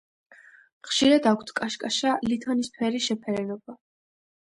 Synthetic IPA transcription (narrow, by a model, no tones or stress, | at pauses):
χʃiɾad̪akʷʰt̪ʰkʼaʃkʼaʃalit̪ʰɔnispʰɛɾiʃɛpʰɛɾɛnɔba